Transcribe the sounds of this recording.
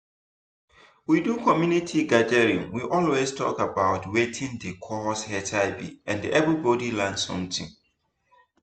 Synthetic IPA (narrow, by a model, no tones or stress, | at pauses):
widukʰɔmjunitʰiɡadɛɹiṵ̃mwiʔɔlwestʰɔ̰kabaʊtwetʰĩŋdekʰɔɔshɛtʰaɪbḭɛ̃ndiʔɛvɹibɔdilãnsɔ̰̃mtɪ̰̃ŋ